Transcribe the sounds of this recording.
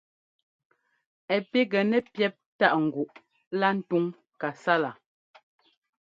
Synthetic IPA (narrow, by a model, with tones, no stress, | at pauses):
ɛ˨pe˦ɡɛ˨nɛ˦pjɛ˦p̚ta˦˨ʔŋ̩˨ɡu˨ʔ | la˦n̩˦tu˦ŋ | ka˨sa˦la˨